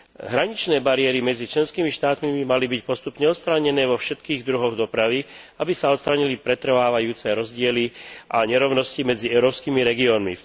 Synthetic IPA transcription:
ɦɾaɲit͡ʃnɛːbaɾɪɛɾimɛd͡zit͡ʃlɛnskiːmiʃt̪aːt̪mibimalibicpɔst̪upɲɛɔt̪st̪ɾaːɲɛnɛːʋɔfʃɛt̪kiːɣd̪ɾuɦɔɣd̪ɔpɾaʋi | abisaɔt̪st̪ɾaːɲilipɾɛt̪r̩ʋaːʋajuːt͡sɛɾɔzɟɪɛliʔaɲɛɾɔʊnɔscimɛd͡ziɛʊɾɔːpskiːmiɾɛɡiɔːnmḭ

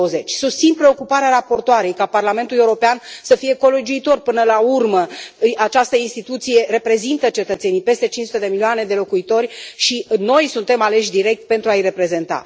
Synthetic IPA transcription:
əzet͡ʃʲsust̪sinpɾe̞o̞kupaɾeaɾapo̞rt̪oaɾe̞jkaparlame̞nt̪uleuɾo̞peansəfije̞ko̞lod͡ʒuit̪o̞rpɨnəlaurməat͡ʃast̪əinst̪it̪ut̪sije̞re̞pɾe̞zint̪ət͡ʃe̞t̪ət̪se̞nijpe̞st̪e̞t͡ʃinsu̥t̪ed̪e̞milioane̞d̪e̞lo̞kuit̪o̞rʲʃino̞jsunt̪e̞male̞ʃ̬ʲd̪iɾe̞k̚t̪̚pe̞nt̪ɾuajre̞pɾe̞ze̞nt̪a̰

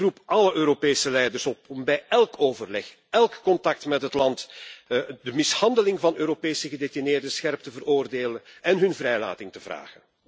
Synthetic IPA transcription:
rupʔɑləʔøːɾopeːsəlɛjdərsɔpɔmbɛjɛlkoːvərlɛx | ɛlkːɔntɑk̚tmɛtɦətlɑnt | dəmɪshɑndəlɪŋvɑnøːɾopeːsəɣədetineːrdəsxɛrp̚təvəroːrdeːlənɛnɦɵnvɾɛjla̰ːtɪŋtəvra̰ːɣən

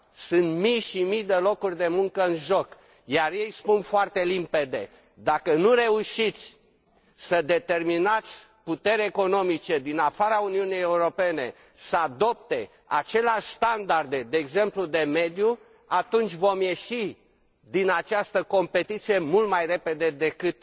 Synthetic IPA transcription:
sɨnt̪mijʃimijd̪e̞lo̞kurʲd̪e̞muŋkəɨnʒo̞k | jarje̞jspunfoart̪e̞limpe̞d̪e̞̰ | d̪akənuɾe̞uʃit̪sʲ | səd̪e̞t̪e̞rminat̪sʲ | put̪e̞ɾʲeko̞no̞mit͡ʃe̞d̪inafaɾauniunijejeuɾo̞pe̞ne̞ | səad̪o̞p̚t̪e̞ | at͡ʃe̞leaʃst̪and̪ard̪e̞d̪e̞ːɡze̞mplud̪e̞me̞d̪ju | at̪unt͡ʃʲvo̞mje̞ʃi | d̪inat͡ʃast̪əko̞mpe̞t̪it̪sije̞mult̪majre̞pe̞d̪e̞d̪e̞kɨt̪

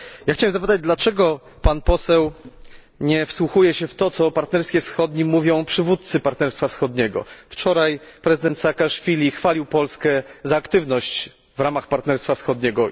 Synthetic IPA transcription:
jaxt͡ɕawɛmzapɘt̪ad͡ʑd̪lat͡ʂɛɡɔ | panpɔsɛw | ɲɛfswuxujɛɕɛft̪ɔt̪sɔpaɾt̪nɛɾskʲjɛfsxɔd̪ɲimuvʲjɔ̃w̃pʂɘvut̪t̪sɘpaɾt̪nɛɾst̪fafsxɔd̪ɲɛɡɔ̰ft͡ʂɔɾajpɾɛzɘd̪ɛnt̪sakaʂfʲilʲixfalʲiwpɔlskɛzaːkt̪ɘvnɔɕt͡ɕ | vɾamaxpaɾt̪nɛɾst̪fasxɔd̪̚ɲɛɡɔ

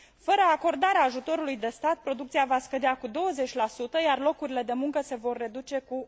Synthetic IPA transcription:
fəɾəako̞rd̪aɾeaːʒut̪o̞ɾulujd̪e̞st̪at̪̚pɾo̞d̪uk̚t̪sijavaskəd̪eakud̪o̞wəze̞t͡ʃʲlasut̪əjarlo̞kuɾile̞d̪e̞muŋkəse̞vo̞rːe̞d̪ut͡ʃe̞ku

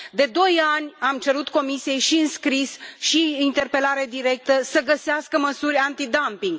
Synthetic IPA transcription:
d̪e̞d̪o̞janʲamt͡ʃe̞ɾut̪ko̞misije̞jʃiɨnskɾisʃiint̪e̞rpe̞laɾed̪iɾe̞k̚t̪əsəɡəseaskəməsurʲant̪id̪ampiŋɡ

